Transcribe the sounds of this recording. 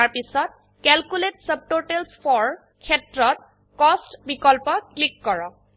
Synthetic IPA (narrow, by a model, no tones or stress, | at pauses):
aɹpisɔt̚ | kɛlkuletsəb̚toʈelspʰɔɹ | kʰɛtɹɔt̚ | kɔstbikɔlpɔklikːɔɹɔk